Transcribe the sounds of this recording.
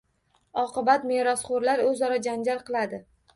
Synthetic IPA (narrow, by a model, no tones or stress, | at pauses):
ɒqɨbat̪meɾɒsχʊɾlaɾɵzɒɾad͡ʒand͡ʒaɾqʰɨlˠad̪ɪ